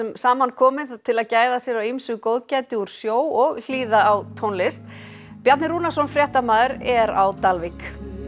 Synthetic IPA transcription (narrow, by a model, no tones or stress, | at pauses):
ɛmsaːmankʰɔːmɪðt̪ʰɪlaðcaːjðasjɛɾawimsʏɣkowðcajt̪ɪuɾ̥sjoːwɔɣl̥iːðaːwt̪ʰonlɪst̪ | pjaɾt̪nɪɾuːnasɔnfɾjɛht̪amaːðʏɾɛɾa̰wt̪alvik